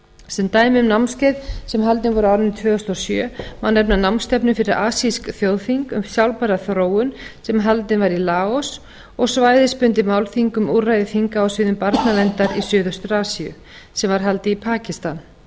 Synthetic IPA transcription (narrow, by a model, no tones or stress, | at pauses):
sɛnt̪aːjmɪʏmnawmnscejðsɛmɦalt̪nɪnvɔɾʏawɾɪnt̪ʰvʏːɣʏst̪ɔsjœːmanɛpnanawmst̪ɛpnʏfɪɾɪɾaːsiskθjowðfiŋkʏ̰msjawlpaɾaθɾoːwʏnsɛmɦalt̪nɪnvaɾilaːɔs | ɔɣsvaːjðɪspʏnt̪ɪmawlθiŋkʏmurajðɪfiŋkaːwsɪːðʏmpaɾt̪navɛnt̪aɾisʏːðʏst̪ʏɾaːsiʏ̰ | sɛmvaɾ̥ɦalt̪ɪipʰaːcɪst̪an